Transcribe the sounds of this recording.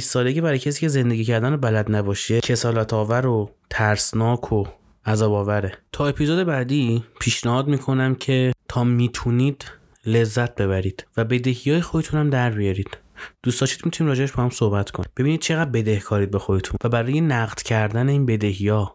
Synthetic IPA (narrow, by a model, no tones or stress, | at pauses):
isːɒːlecʰebæɾːjcʰes̬iːcʰe̞ze̞nd̪e̞ɡɟiːcæɾd̪ænobælæd̪næbɒːʃecʰe̞sɒːlæt̪ʰɒːvæɾot̪ʰæɾsnɒːkʰo | æzɒːbɒːvæɾet̪ʰɒːe̞pʰiːzod̪e̞bæːd̪iːpʰiːʃnæhɒːd̪miːkʰo̞næmcʰe̞t̪ʰɒːmiːt̪ʰuniːd̪̥ | le̞zːæt̪̚be̞βæɾiːd̪̥væbe̞d̪e̞hijɒːjexoet̪ʰunæmd̪æɾbijɒɾiːd̪̥ | d̪̥uːst̪ɒːʃi̥ːt̪mit̪ʰuniːmɾɒːd͡ʒe̞eʃbɒːhæmsohbæt̪ʰkʰoni̥be̞biniːd̪̚t͡ʃʰeɣæd̪̚be̞d̪e̞hkʰɒːɾiːd̪̚be̞xoet̪ʰunvæbæɾɒːjenæɣd̪̥cʰæɾd̪æne̞iːnbe̞d̪e̞hijɒː